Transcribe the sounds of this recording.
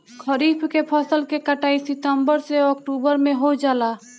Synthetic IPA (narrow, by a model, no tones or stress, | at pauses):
kʰəɾiːpʰkepʰəsəlkekəʈaːisɪʈ̪əmbəɾseɔːkʈuːbəɾmẽɦod͡ʒaːlaː